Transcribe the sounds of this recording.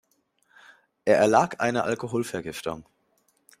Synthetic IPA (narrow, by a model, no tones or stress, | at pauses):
ʔeːɐʔɛɐlaːkʔa̰ɪnəʔa̰lkoɦoːlfɛɐɡɪftʊ̰ŋ